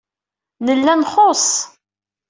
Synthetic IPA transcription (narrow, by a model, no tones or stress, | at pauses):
nəlːænχos